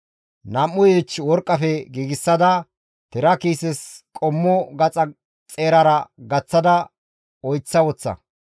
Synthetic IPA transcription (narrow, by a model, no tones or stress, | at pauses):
nɐmːʊjet͡ʃːwɔɾkʼːɐfɛɡiːɡɪsːɐd̪ɐ | t̪ɛɾɐkiːsɛskʼɔmːɔɡɐt͡sʼɐ | t͡sʼeːɾɐɾɐɡɐt͡sːɐd̪ɐ | ɔjt͡sːɐwɔt͡sːɐ̰